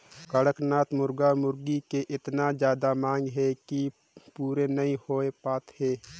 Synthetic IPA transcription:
kəɽəknaːt̪mʊɾɡamʊɾɡikeʔɪt̪nad͡ʒjaːd̪amãːŋɡɦɛki | puːɾenɐĩhoːepaːt̪heː

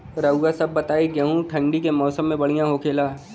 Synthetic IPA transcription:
ɾɐʊɡasɐbːɐt̪aːiɡɛɦũʈʰɐ̃ɳɖikemɔːsəmːẽbɐɽ̤ijãɦokʰeːlaː

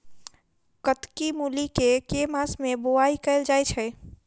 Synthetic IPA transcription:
kət̪kimulikekemasmẽboaikəɪld͡ʒajt͡ʃʰɛ

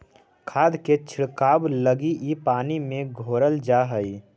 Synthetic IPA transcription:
kʰaːd̪ket͡ʃʰɪɽkaːbləɡiʔipaːnimẽɡʱoːɾəld͡ʒaːɦəi

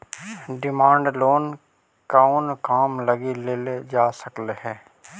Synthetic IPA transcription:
ɖɪmãːɳɖloːn | kaonkaːmlɐɡileːled͡ʒaːsəkleɦɛ̃ː

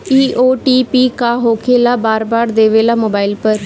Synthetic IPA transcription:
iːʔoːʈiːpiːkaːɦoːkʰeːlaːbaːɾbaːɾd̪eːʋeːlaːmoːbaːɪlpəɾ

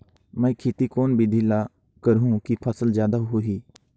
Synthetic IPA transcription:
mɛ̃ːkʰeːt̪iːkoːnbʱid̪ʱiːlaː | kəɾɦũːkipʰəsəlzjaːd̪aːɦuiː

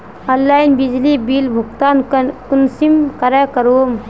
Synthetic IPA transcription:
ənlajinbid͡ʒlibilbʱuɡt̪aːnkunsimkəɾakəɾoːm

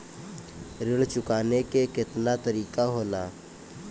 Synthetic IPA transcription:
ɾɪɽt͡ʃʊkaːnekekɪt̪nat̪əɾiːkaɦoːla̰ː

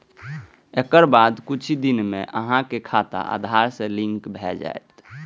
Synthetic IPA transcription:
ekəɾbad̪kut͡ʃʰd̪inmḛʔəɦãkekʰat̪a̰ʔa̰d̪ʱaɾsẽlĩŋkbʱɛd͡ʒa̰jt̪

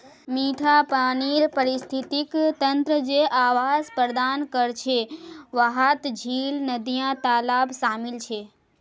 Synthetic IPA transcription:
miʈʰapaniɾpəɾist̪ʰit̪ikt̪ənt̪ɾəd͡ʒeʔaʋaspɾəd̪ankəɾt͡ʃʰeʋaɦat̪d͡ʒʱilnəd̪ijãt̪alabsaːmɪlt͡ʃʰe

